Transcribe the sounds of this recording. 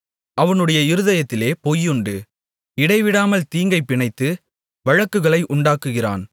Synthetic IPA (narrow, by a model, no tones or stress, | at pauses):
ʔɐʋɐnɯɽɐjɐɪɾɯðɐjɐt̪ːɪleːpojʊɳɖɯ | ɪɽɐɪʋɪɽaːmɐlt̪iːŋɡɐɪpːɪɳɐɪt̪ːɯ | ʋɐɻɐkːɯɣɐɭɐɪʔʊɳɖaːkːɯɣɪra̰ːn